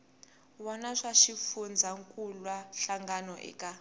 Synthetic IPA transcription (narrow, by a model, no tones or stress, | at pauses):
wɔnaʂaʃifund͡zʱaŋkʼulwaɬaŋɡanɔʔɛ̰kʼa